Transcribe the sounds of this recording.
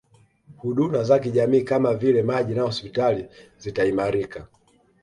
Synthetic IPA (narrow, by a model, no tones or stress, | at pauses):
huɗumazakiʄamiːkamavilɛmaʄinahɔspitalizitaimaɾika